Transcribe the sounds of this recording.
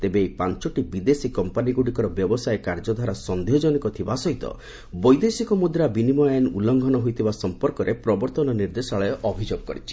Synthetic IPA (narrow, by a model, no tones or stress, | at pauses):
t̪ebeːjpant͡ʃɔʈibid̪esikɔmpaniɡuɽikɔɾɔbjɔbɔsaekaɾd͡ʒɔd̪ʱaɾasɔnd̪iɔd͡ʒɔnikɔt̪ʰibasɔɦit̪ɔ̰ | bɔjd̪esikɔmud̪ɾabinimɔanulɔŋɡʱɔnɔɦojt̪ʰibasɔmpɔɾkɔɾʔepɾɔbɔɾt̪ɔnɔniɾd̪esaɭɔɔʔɔbʱid͡ʒoɡkɔ̰ɾit͡ʃʰi̥